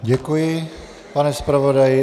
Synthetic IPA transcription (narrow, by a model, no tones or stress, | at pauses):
ɟɛkujɪ | panɛspɾavodajɪ